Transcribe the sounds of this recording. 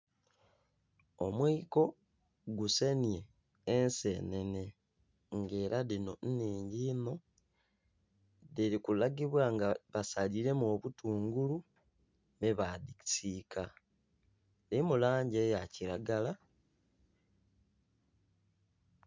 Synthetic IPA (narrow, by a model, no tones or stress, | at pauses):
o̞mweiko̞ | ɡuse̞nje̞ː | nse̞ne̞ne̞ | ŋɡe̞ːɾalino̞nniːɲɟiːno̞ | ðeɾikulaɡiβwaŋɡaβasaliɾe̞moːβutuːŋɡulu | neβadi̥siːkʰa | limulaːɲɟe̞jaciɾaɡala